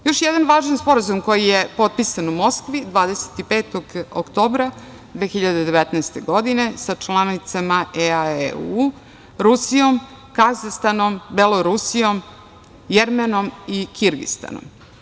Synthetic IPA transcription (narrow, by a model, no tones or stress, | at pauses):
jo̞ʃjɛd̪anʋaːʒanspo̞ɾazumko̞jijepo̞t̪̚pisanumo̞skʋid̪ʋaːd̪ese̥t̪ipeːt̪o̞ɡo̰kt̪o̞ːbɾa | d̪ʋe̞ːxiʎad̪ed̪e̞ʋet̪nɛest̪e̞ɡo̞d̪ine̞sat͡ʃlanit̪samaʔeaeu | ɾusijo̞m | kazast̪anombelˠoɾusijo̞m | jeɾmeno̞mikiɾɡḭst̪a̰no̰m